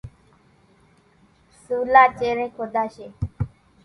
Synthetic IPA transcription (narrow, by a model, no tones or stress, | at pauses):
sulaːt͡ʃeɾẽkʰod̪aʃe